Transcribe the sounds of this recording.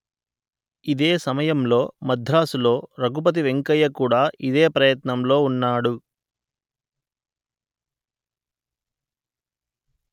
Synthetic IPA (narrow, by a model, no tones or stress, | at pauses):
id̪eːsɐmɐjɐmlo̞ːmɐd̪ʱɾaːsulo̞ːɾɐɡup̬ɐt̪̬iʋe̞ŋkɐjɐkuːɽaːʔid̪eːpɾɐjɐt̪nɐmlo̞ːunːaːɽu